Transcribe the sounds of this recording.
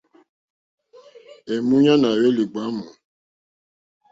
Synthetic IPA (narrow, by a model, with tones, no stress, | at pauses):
ɛ˨mũ˦ɲã˦na˨we˦li˨ɡ͡ba˦mũ˨